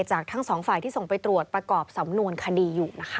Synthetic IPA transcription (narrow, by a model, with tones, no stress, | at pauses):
t͡ɕaː˨˩k̚t̪ʰa˦˥ŋsɔː˩˦ŋfaː˨˩jt̪iː˥˩so˨˩ŋpa˧jt̪ɾu˨˩ət̪̚pɾa˧kɔː˨˩p̚sa˩˦mnu˧ənkʰa˧diː˧juː˨˩na˦˥kʰ